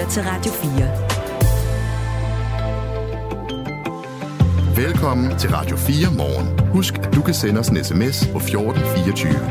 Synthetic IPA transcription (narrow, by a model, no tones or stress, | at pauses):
t͡sʰe̝lʁɑ̈d̥jo̝fiːɐ | ʋelkʰɒ̽m̰n̩t͡sʰe̝lʁɑ̈d̥jo̝fḭːɐmɒːnhusɡ̥æd̥ukʰæsenəɒsenesemespʰɒ̽fjoːd̥n̩fiːɒt͡sʰyːʋə